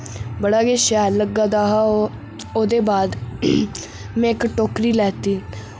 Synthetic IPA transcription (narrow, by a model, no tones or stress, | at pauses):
bəɽaːkeːʃɛːləɡaːd̪aːɦaː | oːd̪eːbaːd̪ | mɛ̃ːɪkʈoːkɾiːlɛːt̪iː